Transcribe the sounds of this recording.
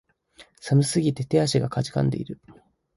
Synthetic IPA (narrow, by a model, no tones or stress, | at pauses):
samɯ̟sɨɡʲit̪e̞t̪e̞aɕiɡakad͡ʑi̥kã̰nd̪e̞̰ḭɾɯ̟